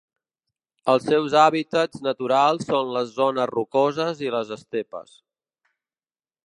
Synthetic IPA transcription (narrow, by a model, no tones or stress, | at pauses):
əlˠsɛwzaβit̪əd͡znət̪uɾalˠsːonləzːonəzrukozəziləzəst̪epə̰s